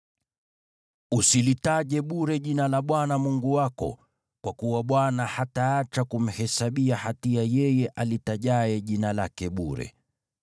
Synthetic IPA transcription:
usilitaʄɛɓuɾɛʄinalaɓwanamuŋɡuwakɔ̰ | kwakuwaɓwanahataːt͡ʃakum̩hɛsaɓiahatiajɛjɛʔalitaʄaɛʄinalakɛɓuɾɛ̰

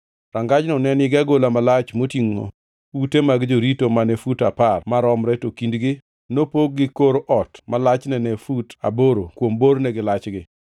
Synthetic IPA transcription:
ɾaŋɡad͡ʒnɔnɛnɪɡaɡolamalat͡ʃmotiŋo̰ | utemaɡd͡ʒoɾitomanefutaparmaɾɔmɾɛtokindɡɪ | nopoɡ̚ɡɪkoɾoʔɔtmalat͡ʃnɛnefuta̰boɾokwomboɾnɛɡɪlat͡ʃɡɪ

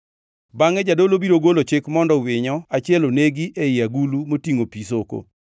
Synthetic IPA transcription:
baŋɛd͡ʒadolobiɾoɡolot͡ʃekmɔndɔwɪɲɔat͡ʃɪɛloneɡieɪjaɡulumotiŋopisoko̰

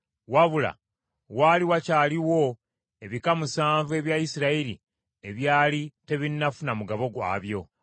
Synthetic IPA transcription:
waβula̰ | waːliwacaːliwo̞ | e̞βikamusaːɱvue̞βjaisiɾaiɾi | e̞βjaːlite̞βinːafunamuɡaβo̞ɡwa̰βjo̞

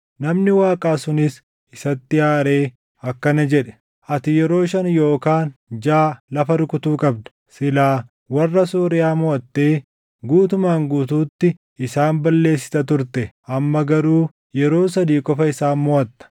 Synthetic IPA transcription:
nɐmnɪwaːkʼaːsʊnɪs | ɪsɐt̪ːɪjaːɾe̞ː | ɐkːɐnɐd͡ʒɛᶑɛ̥ | ʔɐt̪ɪjɛɾo̞ːʃɐnjo̞ːkaːnd͡ʒaːlɐfɐɾʊkʼʊt̪uːkʼɐb̚d̪ɐ̥ | sɪlaː | wɐrːɐsoːɾɪjaːmɔʔɐt̪ːe̞ː | ɡuːt̪ʊmaːŋɡuːt̪uːt̪ːɪ | ɪsaːmbɐlːe̞ːsːɪ̥t̪ɐt̪ʊɾt̪ɛʔɐmːɐɡɐɾuː | jɛɾo̞ːsɐd̪iːkʼɔfɐɪsaːnmɔʔɐt̪ːɐ̥

